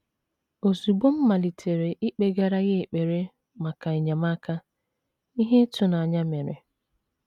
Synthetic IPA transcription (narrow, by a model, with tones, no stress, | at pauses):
o˨zu˨ɡ͡bo˦m̩˦ma˨li˨tʰe˨ɾe˨ʔi˦k͡pe˨ɡa˨ɾa˦ɣɪ˦˨k͡pe˨ɾe˦ | ma˨ka˨i˨ɲa˨ma˦ka˦ | i˦ɦe˦tʊ˨na˨a˨ɲa˦me˨ɾḛ˨